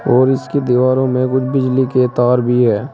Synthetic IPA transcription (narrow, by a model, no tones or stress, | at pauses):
ɔːɾɪsked̪iʋaːɾõmẽkʊt͡ʃʰbɪd͡ʒliket̪aːɾbʱiɦɛː